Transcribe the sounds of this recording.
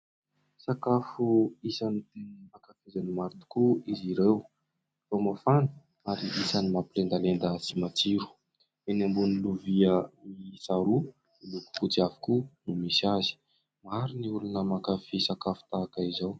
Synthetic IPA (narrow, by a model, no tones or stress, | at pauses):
sakafuisanit̪enmakafezanimaɾt̪u̥kuiziɾew | famafanə̥ | aɾiʔisanimapilend̪alend̪əsimat͡siɾu̥ | enambuniluviəmisaɾu | iluku̥kut͡siavi̥kunumisiazi̥ | maɾiniulunəmakafisakafu̥t̪aːkaizaw